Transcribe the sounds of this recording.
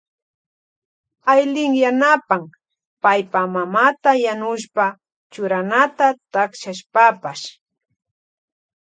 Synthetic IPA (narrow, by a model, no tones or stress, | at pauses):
ajlɪŋjanapam | pajpamamat̪ajanʊʃpa | t͡ʃʊɾanat̪at̪akʃaʃpapaʃ